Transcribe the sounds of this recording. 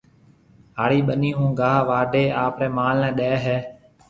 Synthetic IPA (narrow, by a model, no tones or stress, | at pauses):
ɦaːɽiːɓəniːɦũːɡʱaːʋaːɖʱeːaːpɾɛːmaːlnɛ̃ːɗɛːɦɛː